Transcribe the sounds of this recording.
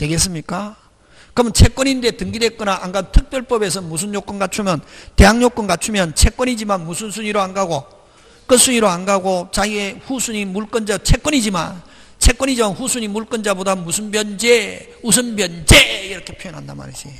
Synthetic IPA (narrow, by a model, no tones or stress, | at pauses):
twe̞ɡe̞s͈ɯmɲik͈a | kɯɾʌmʌnt͡ɕʰe̞k͈wʌɲinde̞tɯŋɡidwe̞k͈ʌnaʔaŋɡadtʰɯk̚p͈jʌɭp͈ʌbe̞s̬ʰʌmus̬ʰunɲok͈onɡat͡ɕʰumjʌnte̞ɦaŋɲok͈onɡat͡ɕʰumjʌnt͡ɕʰe̞k͈ʌnid͡ʑimanmusʰunsʰuɲiɾoanɡaɡo | k͈ɯns͈ʰuɲiɾoanɡaɡot͡ɕaieɸusʰuɲimuɭk͈ʌnd͡ʑat͡ɕʰe̞k͈wʌnid͡ʑima̰n | t͡ɕʰe̞k͈wʌɲid͡ʑimanɸusʰuɲimuɭk͈ɯnd͡ʑabodamusʰunbjʌnd͡ʑe | usʰɯnbjʌnd͡ʑeiɾʌkʰe̞pʰjojʌnɦanda̰ma̰ɾiɕi